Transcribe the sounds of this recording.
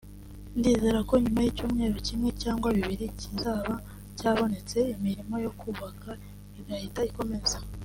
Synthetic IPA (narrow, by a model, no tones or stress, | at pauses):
ndiːziɾako̞ɲumajicuːmŋe̞ːɾo̞cimŋe̞caːŋɡwaβiβiɾicizaːβa | caːβo̞ne̞t͡se̞imiɾimo̞jo̞kuːβakʰa | iβahitaiko̞me̞za